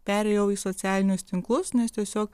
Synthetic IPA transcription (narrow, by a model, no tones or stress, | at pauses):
pʲæɾʲɛjɛʊiːsɔt̪sʲæːlʲɪnʲʊst̪ʲɪŋklˠʊsnʲɛst̪ʲiɛsʲoːk